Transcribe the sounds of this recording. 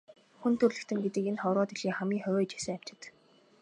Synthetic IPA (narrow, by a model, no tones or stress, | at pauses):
xunt̪ʰɵrɮɘ̆kt̪ʰɘ̆ŋɡet̪ɘ̆kenχɔwɾʁɔːt̪eɮiːŋχamɡʲiːŋχœwɔːt͡ɕi̥sɘ̆ŋam̥t͡ɕɪ̥̆t̪